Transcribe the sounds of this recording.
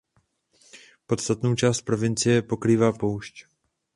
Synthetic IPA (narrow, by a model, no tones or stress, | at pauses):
po̞t̪st̪at̪nowt͡ʃaːst̪̚pɾo̞vɪnt͡sɪjɛpo̞kɾiːvaːpowʃc